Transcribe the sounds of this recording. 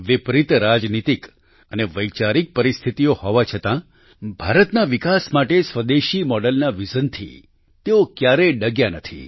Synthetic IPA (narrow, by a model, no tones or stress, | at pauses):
ʋɪpɾit̪ɾad͡ʒnit̪ik | əneʋəjt͡ʃaɾik̚pəɾist̪ʰit̪ijohɔʋat͡ʃʰət̪ã | bʱaɾət̪naʋikasmaʈesʋəd̪eʃimɔɽəlnaʋid͡ʒənt̪ʰḭ | t̪eokjaɾeɖəɡjanət̪ʰḭ